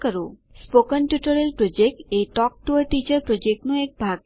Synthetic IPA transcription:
kəɾu | spokənʈjuʈoɾelpɾod͡ʒek̚ʈeʈɔk̚ʈuəɾʈit͡ɕəɾpɾod͡ʒek̚ʈnuek̚bʱaɡ

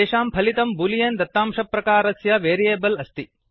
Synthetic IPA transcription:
eːʂaːmpʰɐlit̪ɐmbulijeːnd̪ɐt̪ːaːmʂɐpːɾɐkaːɾɐsjɐʋeːɾijeːbɐlɐst̪i

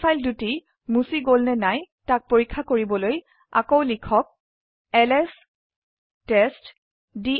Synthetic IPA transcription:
ajlduti | musiɡolnɛnajtak̚poɹikʰːakoɹibɔloj | a̰kowlikʰɔk̚ | ɛlɛs | tɛst | di

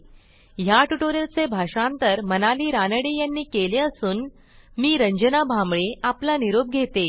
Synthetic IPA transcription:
ɦjaʈuʈoɾelt͡sebʱaʂãnt̪əɾmənaliːɾanəɽijanːiːkeleəsuːn | miːɾəɲd͡ʑənabʱamɭeʔaplaniɾob̚ɡʱet̪e

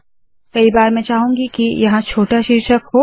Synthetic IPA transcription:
kɐibaːɾmɛ̃ːt͡ʃaːɦũŋɡikijɐɦãt͡ʃʰoːʈaʃɪɾʃəkɦo

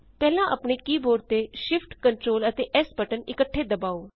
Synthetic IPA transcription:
pɛːlãːʔəpɳeːkiːboːɾt̪eːʃɪpʰʈkəɳʈɾoːlət̪eːʔɛːspəʈənɪkəʈʰːeːd̪əbaːoː

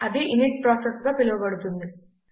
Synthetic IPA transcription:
ɐd̪iʔiniʈ̚pɾaːsesɡɐpilɐʋubɐɽut̪ːund̪i

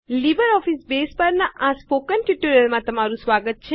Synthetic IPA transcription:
libəɾɔfisbespəɾnaʔaspokənʈjuʈuɾijəlmãt̪əmaɾũsʋaɡət̪̚t͡ʃʰe

